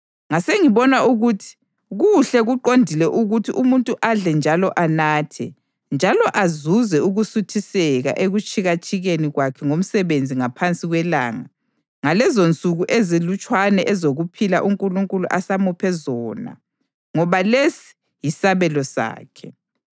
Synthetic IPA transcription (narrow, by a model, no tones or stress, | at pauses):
ŋaseŋiβɔnwaʔuɣutʰi̥ | ɣuɬɛɣuǃondʱilɛʔuɣutʰiʔumuntʼuʔaɮɛnd͡ʒʱalɔʔanaːtʰɛ | nd͡ʒʱalɔʔazuzɛuɣusutʰisɛɣa̰ʔeɣut͡ʃʼiɣat͡ʃʼiɣeniɣwakʰɛŋom̩sɛβend͡zʱiŋapʰant͡sʼiɣwɛla̰ːŋa | ŋalɛzont͡sʼuɣuʔezilut͡ʃʼwanɛʔɛzoɣupʰila̰ʔuŋkʼuluŋkʼuluʔasamupʰɛzɔːna̰ | ŋɔβalesi̥ | jisaβɛlɔsa̰ːkʰɛ